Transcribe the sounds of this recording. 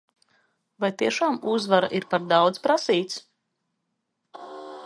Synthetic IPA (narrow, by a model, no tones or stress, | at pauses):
vajt̪iɛʃaːmuzvaɾa̰ʔiɾpaɾd̪ɑwd̪zpɾasiːt̪s